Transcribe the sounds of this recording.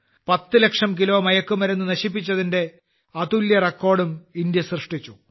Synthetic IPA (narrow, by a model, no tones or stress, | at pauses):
pɐt̪ːɨle̞kʂɐmkilo̞ːmɐjɐkːumɐɾenːunɐɕip̬ːit͡ɕːɐðinde̞ | ɐt̪uljɐrekːo̞ːɽumind̪jɐsrɨʂʈit͡ɕːu